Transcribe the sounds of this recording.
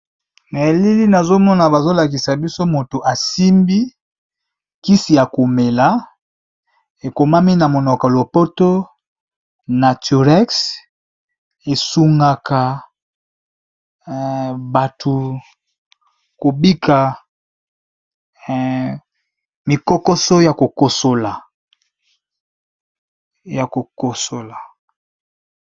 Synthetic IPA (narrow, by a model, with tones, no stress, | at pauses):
na˨e˨li˦li˦na˨zo˦mɔ˦na˨ba˨zo˦la˨ki˨sa˨bi˦so˦mo˨to˨ʔa˨si˦mbi˦ | ki˦si˨ja˨ko˨me˨la˦ | e˨ko˨ma˦mi˦na˨mo˨nɔ˨ka˨lo˨po˦to˦ | na˨tu˨ʁɛ˦ks | e˨su˨ŋɡa˨ka˨ | ba˨tʰu˨ | ko˨bi˦kʰa˨ | mi˨ko˦ko˦so˦ja˨ko˨ko˨so˨la˨ | ja˨ko˨ko˨so˨la˨